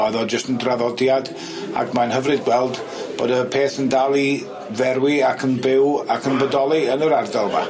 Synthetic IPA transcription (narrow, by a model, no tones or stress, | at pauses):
ɔɨðɔd͡ʒəstəndraðɔdjad | a̰kʰmanhəvrɨd̚ɡwɛlˠd | b̥o̰ːdəpʰeːθəndalˠi | vɛɾwiakʰənbɪwakʰənbədɔlˠiənəɾardalˠva̰